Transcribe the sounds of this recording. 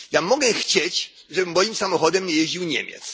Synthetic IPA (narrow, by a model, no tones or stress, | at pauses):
jamɔɡɛxt͡ɕet͡ɕ | ʐɛbɘmɔjimsamɔxɔd̪ɛmɲɛjeʑd͡ʑiwɲḛmʲjɛ̰t̪s